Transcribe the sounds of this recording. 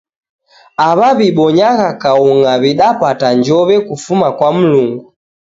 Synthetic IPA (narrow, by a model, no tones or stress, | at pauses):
aβaβiɓɔɲaɣakauŋaβiɗapataɲd͡ʒɔβɛkufumakwam̩luŋɡu